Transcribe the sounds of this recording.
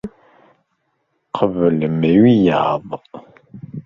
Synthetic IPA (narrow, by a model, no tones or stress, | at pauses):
qʰəvləmewija̰ːðˤəq